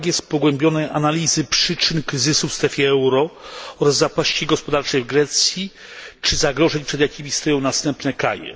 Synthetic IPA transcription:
ɡjɛst̪̚pɔɡwɛmbʲjɔnɛjʔanalʲizɘpʂɘt͡ʂɘnkɾɘzɘsufst̪ɾɛfʲjɛɛwɾɔɔɾazːapaɕt͡ɕiɡɔspɔd̪aɾt͡ʂɛjvɡɾɛt̪sʲji | t͡ʂɘzaɡɾɔʐɛɲpʂɛd̪jakʲimʲist̪ɔjɔ̃w̃nast̪ɛmpnɛkɾa̰jɛ̰

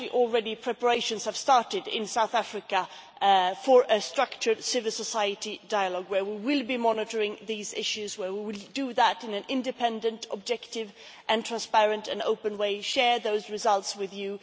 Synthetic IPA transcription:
iʔəl̩ˠɹɛɾipʰɹ̥ɛpə˞eɪʃɨ̃nz̥ɨv̥stɑɹtɪdɪ̰̃nsaʊθæfɹɨkə | fə˞ʔɨstɹ̥ʌk̚t͡ʃə˞sɪvəl̩ˠsəsaɪɨɾidaɪəlɔɡwə˞wiwɪlˠbimɑnɪɾə˞ɪ̃ŋðizɪ̰ʃʉzwə˞wiwɪlˠdɨðəɾɨ̃nɨ̃nɪ̃ndɨpʰɛ̃ndɨ̃ntʰə̰b̚d͡ʒɛktɪvʔɨ̃ntʰɹ̥æ̃nspɛɹɨ̃ntɨ̰̃no̰ʊpɨ̃nweɪʃɛɹðoʊzɹɨzʌlˠtswɪðjʉ

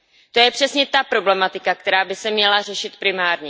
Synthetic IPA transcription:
t̪ojɛpr̥ɛsɲɛt̪apɾo̞blɛmat̪ɪkak̚t̪ɛɾaːbɪsɛmɲɛlar̝ɛʃɪt̪pɾɪmaːɾɲɛ

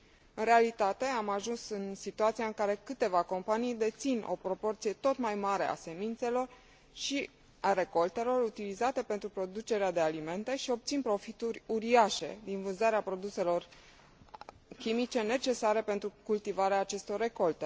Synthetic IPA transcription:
ɨnre̞alit̪at̪e̞amaʒunsɨnsit̪uat̪siaɨŋkaɾe̞kɨt̪e̞vako̞mpanijd̪e̞t̪sinʔo̞̰pɾo̞po̞rt̪sije̞t̪o̞t̪majmaɾe̞̰ʔa̰se̞mint̪se̞lo̞r | ʃi | aɾe̞ko̞lt̪e̞lo̞ɾut̪ilizat̪e̞pe̞nt̪ɾupɾo̞d̪ut͡ʃe̞ɾead̪e̞alime̞nt̪e̞ʃio̞p̚t̪sinpɾo̞fit̪uɾʲuɾiaʃe̞̰d̪invɨnzaɾeapɾo̞d̪use̞lo̞r | kʲimit͡ʃe̞ne̞t͡ʃe̞saɾe̞pe̞nt̪ɾukult̪ivaɾeaːt͡ʃe̞st̪o̞rːe̞ko̞lt̪e̞

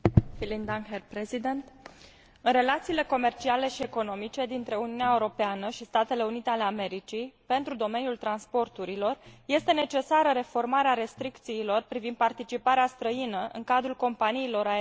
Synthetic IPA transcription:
filind̪aŋɦerpɾezid̪ent̪ | ɨnre̞lat̪siːle̞ko̞me̞rt͡ʃiale̞ʃie̞ko̞no̞mit͡ʃe̞d̪int̪ɾe̞uniuneaeuɾo̞peanəʃist̪at̪e̞le̞unit̪eale̞ame̞ɾit͡ʃijpe̞nt̪ɾud̪o̞me̞njult̪ɾanspo̞rt̪uɾilo̞rje̞st̪e̞ne̞t͡ʃe̞saɾəɾe̞fo̞rmaɾeaɾe̞st̪ɾikt̪siːlo̞rpɾivind̪̚part̪it͡ʃipaɾeast̪ɾəinəʔɨ̰ŋkad̪ɾulko̞mpaniːlo̞ɾa

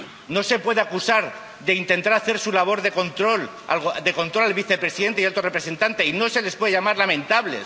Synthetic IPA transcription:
no̞se̞pwe̞ðe̞akusaɾ | ðe̞int̪e̞nt̪aɾaθe̞ɾsulaβ̞o̞ɾðe̞ko̞nt̪ɾo̞l | a̰lod̪e̞kont̪ɾo̞lalβiθe̞pɾe̞siðe̞nt̪ejalt̪orepɾe̞se̞nt̪ant̪eino̞se̞le̞spwe̞ðeʝamaɾlamẽ̞nt̪aβle̞̰s

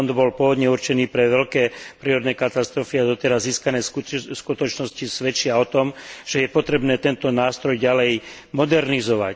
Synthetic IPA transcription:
nd̪bɔlpʊɔʋɔd̪ɲɛuɾt͡ʃɛniːpɾɛʋɛʎkɛːpɾiːɾɔd̪nɛːkat̪ast̪ɾɔfiad̪ɔt̪ɛɾazːiːskanɛːskut̪ɔt͡ʃnɔscisʋɛt͡ʃɪaɔt̪ɔmʒ̥ɛjɛpɔt̪ɾɛbnɛːt̪ɛnt̪ɔnaːst̪ɾɔjɟalɛj | mɔd̪ɛɾnizɔʋa̰c

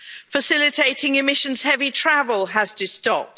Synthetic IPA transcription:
fəsɪlɪtʰeɪtɪ̃ŋɪmɪʃə̃nz̥hɛvitʰɹ̥avəlˠəz̥tʰəstɒp̚

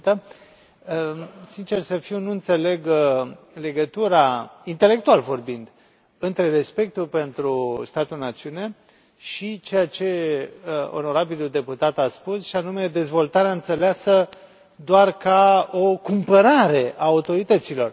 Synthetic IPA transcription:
t̪ə | sint͡ʃe̞rsəfiwnuɨnt̪sele̞ɡ | le̞ɡət̪uɾaint̪e̞le̞kt̪ualvo̞rbind̪ | ɨnt̪ɾe̞ɾe̞spe̞k̚t̪ulpe̞nt̪ɾust̪at̪ulnat̪siune̞ | ʃit͡ʃe̞jat͡ʃe̞ | o̰no̞ɾabiluld̪e̞put̪at̪aspusʃianume̞d̪e̞zvo̞lt̪aɾeaɨnt̪seleasə | d̪oarkaokumpəɾaɾe̞aːut̪o̞ɾit̪ət̪silo̞r

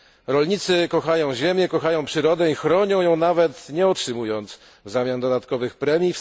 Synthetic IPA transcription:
ɾɔlɲit̪sɘkɔxajɔ̃w̃ʑemʲjɛkɔxajɔ̃w̃pʂɘɾɔd̪ɛixɾɔɲɔ̃w̃jɔ̃w̃navɛt̪ɲɛɔtʂɘmujɔnt̪s | vzamʲjand̪ɔd̪at̪kɔvɘxpɾɛmʲif

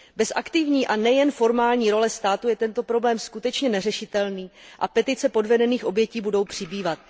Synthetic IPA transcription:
bɛsʔa̰kt̪ɪvɲiːʔanɛjɛnfo̞ɾmaːlɲiːɾo̞lɛst̪aːt̪ujɛt̪ɛnt̪o̞pɾo̞blɛːmskut̪ɛt͡ʃɲɛnɛrɛʃɪt̪ɛlniːʔa̰pɛt̪ɪt͡sɛpo̞dvɛdɛniːxʔo̞bjɛciːbudo̞wpr̝̥ɪbiːvat̪̚

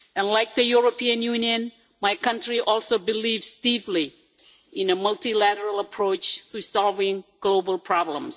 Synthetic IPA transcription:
ʔɛ̃nlaɪk̚ðəjuɹopʰĩə̃njunjɨ̃n | maɪkʰʌ̃ntɹiʔɔlˠsobilivzdipli | ʔɪ̃nəmʌltilæɾəɹəlˠəpʰɹoʊt͡ʃt̪usɑlˠvɪ̃ŋɡ̥lobəlˠpʰɹ̥ɑblə̰̃ms

